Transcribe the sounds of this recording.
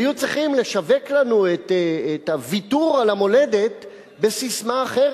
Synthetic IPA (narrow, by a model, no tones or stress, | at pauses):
jut͡sʁiχimle̞ʃave̞klanuet̪ːetavituʁalamo̞le̞d̪e̞t̪ | be̞sismaːχeʁ